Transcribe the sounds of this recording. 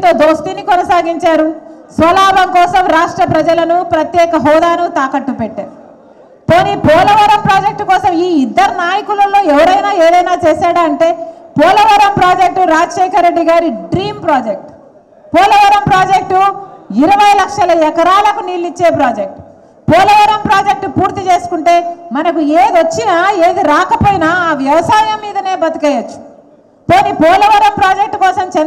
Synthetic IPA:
d̪oːd̪oːst̪inikɔnɐsaːɡiɲt͡ʃaːɾusʋɐlaːbɐmkɔːsɐmɾaːʂʈɾɐpɾɐd͡ʒɐlɐnupɾɐt̪jɛːkɐɦɔːd̪aːnut̪aːkɐʈːupeʈːa̰ːɾu | poːnipɔːlɐʋɐɾɐmpɾaːd͡ʒe̞k̚ʈkɔːsɐmiːid̪ːɐɾɐnaːjɐkulɐlːo̞ːɛʋɐɾɐjnaːeːd̪ɐjnaːt͡ʃeːsaːɽaɐɳʈe̞ːpɔːlɐʋɐɾɐmpɾaːd͡ʒek̚ʈuɾaːd͡ʒɐʃɛːkʰɐɾːe̞ɖːiɡaːɾiɖɾiːmpɾaːd͡ʒek̚ʈ | pɔːlɐʋɐɾɐmpɾaːd͡ʒek̚ʈuiɾɐʋɐjlɐkʂɐlɐɛkɐɾaːlɐkuniːlːit͡ʃːe̞ːpɾaːd͡ʒek̚ʈ | pɔːlɐʋɐɾɐmpɾaːd͡ʒek̚ʈupuːɾt̪it͡ʃe̞ːsu̥kuɳʈe̞ːmɐnɐkueːd̪ʋɐt͡ʃːinaːeːd̪iɾaːkɐpoːjinaːaːʋjɐʋɐsaːjɐmːiːd̪ɐne̞ːbɐt̪ɐkɐjɐt͡ʃːu̥ | poːnipɔːlɐʋɐɾɐmpɾaːd͡ʒek̚ʈkɔːsɐmt͡ʃɛn

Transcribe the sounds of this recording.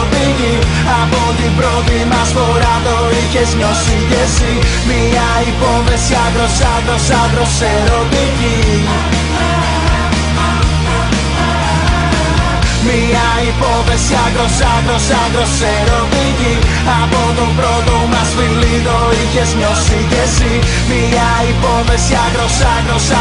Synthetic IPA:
d̪iɡi | abɔd̪ipɾɔd̪imasvɔɾad̪ɔ | ikɛzmɔsitɛsi | mi | a | ipɔvɛsjaɡɾɔsaɡɾɔsaɡɾɔsɛɾɔd̪iɡi | mi | a | ipɔvɛsjaɡɾɔsaɡɾɔsaɡɾɔsɛɾɔd̪iɡi | abɔd̪ɔwpɾɔd̪ɔwmazvilid̪ɔ | icɛzɲɔsiɟɛsi | mi | a | ipɔvɛsjaɡɾɔsaɡɾɔsa

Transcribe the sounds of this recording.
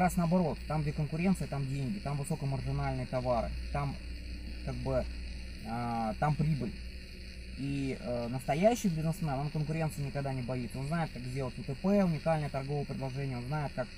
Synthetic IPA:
ɾasnəɐbɐɾo̞t̪ːamɡdʲekənkʊɾʲe̞nt̪sɨət̪amdʲenʲɡʲɪt̪amvɨso̞kəmərɡɪnalʲnɨjət̪ɐvaɾɨ̰t̪amkaɡ̚bɨ | ət̪ampɾʲibɨlʲ | iənəst̪ɐjæɕːɪjɡ̪lʲɪnasnanamkənkʊɾʲe̞nt̪sɨjʊnʲɪkɐɡd̪anʲɪbɐit̪səonznaɪt̪̚kakzʲdʲelˠətʲɨt̪ɨpɛʊnʲɪkalʲnəjət̪ɐrɡo̞vəjəpɾʲɪdlˠɐʐɛnʲɪəonznajɪt̪̚kak

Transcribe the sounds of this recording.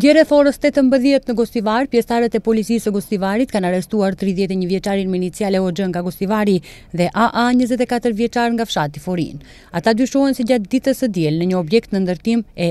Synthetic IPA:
ɟɛɾɛθɔɾəst̪ɛt̪əmbəðjɛt̪nəɡɔst̪ivaɾpjɛst̪aɾət̪ɛpɔlit͡sisəɡɔst̪ivaɾit̪kanarɛst̪uaɾt̪ɾiðjɛt̪ɛɲəvjɛt͡ʃaɾinmɛinit͡sijalɛɔd͡ʒəŋɡaɡɔst̪ivaɾiðɛʔaʔaɲəzɛt̪̬ɛkat̪əɾvjɛt͡ʃaɾŋɡafʃat̪ifɔɾḭn | at̪ad̪yʃɔɦɛnsɛɟat̪̚d̪it̪əsəd̪jɛlnəɲəɔbjɛkt̪nənd̪əɾt̪imɛ

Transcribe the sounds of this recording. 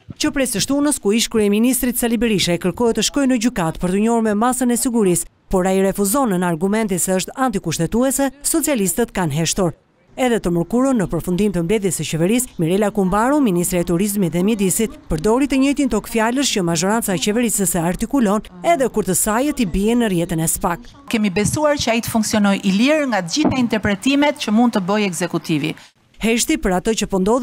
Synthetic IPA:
t͡ʃəpɾɛsəʃt̪unəskuiʃkuɾɛminist̪ɾit̪salibɛɾiʃaɛkəɾkɔhɛt̪əʃkɔjnəɟykat̪pəɾt̪əɲɔɾmɛmasənɛsiɡuɾis | pɔɾaiɾɛfuzɔnənaɾɡumɛnt̪isɛəʃt̪ant̪ikuʃt̪ɛt̪uɛsɛsɔt͡sialist̪ət̪kanɦɛʃt̪ɔɾ | ɛðɛt̪əməɾkuɾənːəpəɾfund̪imt̪əmblɛðjɛsət͡ɕɛvɛɾismiɾɛlakumbaɾuminist̪ɾiɛt̪uɾizmit̪ðɛmjɛd̪isit̪̚pəɾd̪ɔɾit̪əɲəjt̪int̪ɔkfjaləscəmaʒɔɾant͡saɛt͡ɕɛvɛɾisəsɛaɾt̪ikulɔn | ɛðɛkuɾt̪əsajət̪ibiɛnːərjɛt̪ənɛsə̥pak | kɛmibɛsuaɾt͡ʃəajit̪ə̥fuŋksiɔnɔjʔiliɾŋɡat̪əɟiθaint̪ɛɾpɾɛt̪imɛt̪cəmund̪̚t̪əbɔjɛɡzɛkut̪ivḭ | hɛʃt̪ipəɾat̪ət͡ʃəpɔnd̪ɔð

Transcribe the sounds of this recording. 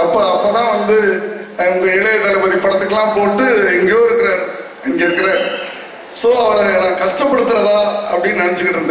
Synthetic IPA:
ɐpːɐɐpːoːt̪ãːʋɐnd̪ɯ | ʊŋɡɐɪɭɐɐt̪ɐlɯpɐðipːɐɽɐt̪ːɯkːɐlãːpoːʈːɯɛŋɡejoːɪɾɯkːɪɾaːɾ | ɛŋɡeɾɯkːɐɾeːɾ | soːɐʋɐɾɐnaːkɐʂʈɐpːɐɽɯt̪ːɯɾɐðaːɐpːɐɽɪjnɐnɛt͡ʃːɯkːɪʈːɾɯnd̪ɐ

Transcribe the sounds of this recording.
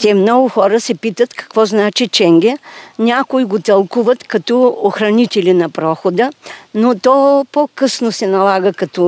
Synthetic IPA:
t̪ʲɛmnɔɡʊxɔɾəsɛpit̪ət̪kɐ̥kvɔznat͡ʃɛt͡ʃɛŋɡɛnʲakʊiɡot̪ɐlˠkuvɐt̪kɐt̪ɔoxɾɐnit̪ɛlʲinɐpɾɔxod̪ənot̪ɔpokɤsnosɛnɐlˠaɡəkɐt̪ɔ

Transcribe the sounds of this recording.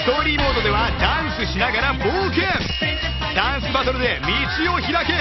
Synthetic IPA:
st̪o̞ɾʲiːmo̞ːd̪o̞d̪e̞βad̪ãɰ̃sɨɕinaɡaɾamoːkẽ | d̪̥ãɰ̃sɨbat̪o̞ɾɯ̟d̪e̞mʲit͡ɕio̞çiɾake̞

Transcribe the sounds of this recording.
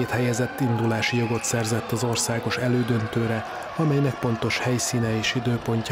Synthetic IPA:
eːt̪hɛjɛzɛt̪ːind̪ulaːʃijo̞ɡo̞t̪sɛrzɛt̪ːɒzo̞rsaːɡo̞ʃɛløːd̪ønt̪øːɾɛ | ɒmɛjnɛk̚po̞nt̪o̞ʃhɛjsiːnɛeːʃid̪øːpo̞ɲc

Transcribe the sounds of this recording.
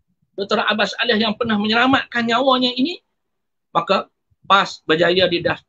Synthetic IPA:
bət̪əɾaʔabasalahjaŋpərnahməɲəɾamaʔ̚kanɲawaɲaini | maka | pasbərd͡ʒajadidaf

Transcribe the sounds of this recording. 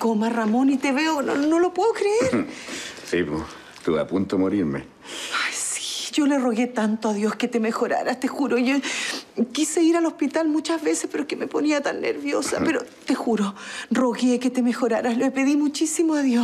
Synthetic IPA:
komaramo̞nit̪eβeononolopweokɾeeɾsipo | t̪ua̰punt̪omoɾiɾmḛ | ajsi̥ɟ͡ʝo̞leroɣe̞t̪ant̪oaðjo̞sket̪emexo̞ɾa̰ɾast̪exuɾojo | kiseiɾalo̞spit̪almut͡ʃazβe̞sehpeɾoekemeponiat̪anːḛɾβjosa̰peɾot̪exuɾoro̞ɣeket̪emexo̞ɾaɾasloepe̞ðimut͡ʃisimoaðjos

